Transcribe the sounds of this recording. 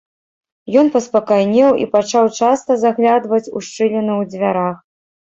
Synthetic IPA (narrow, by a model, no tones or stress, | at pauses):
jɔnpɐspɐkajnʲɛwʔḭpat͡ʂawt͡ʂast̪ɐzaɣlʲad̪vɐt͡sʲṵʂt͡ʂɨlʲɛnɨwd͡zʲvʲaɾax